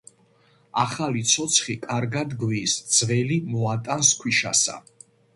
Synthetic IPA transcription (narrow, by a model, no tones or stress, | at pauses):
aχalit̪sʰɔt̪sʰχikʼaɾɡad̪ɡwiːsd̪z̥vɛlimɔat̪ʼanskʰwiʃa̰sa̰